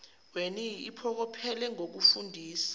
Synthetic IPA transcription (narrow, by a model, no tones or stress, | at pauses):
weniipʰɔk̬ɔpʰɛlɛŋok̬ufundʱiːsḁ